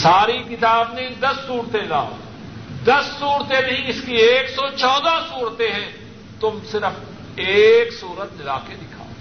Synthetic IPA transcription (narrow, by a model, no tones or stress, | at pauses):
saːɾikɪt̪aːbned̪ɐsːuːɾt̪ela̰ː | d̪ɐsːuːɾt̪enɐɦĩɪskieːksɔt͡ʃɔːd̪asuːɾt̪eɦɛ̃ː | t̪ʊmsɪɾəf | eːksuːɾət̪̚nɪlaːked̪ɪkʰa̰ː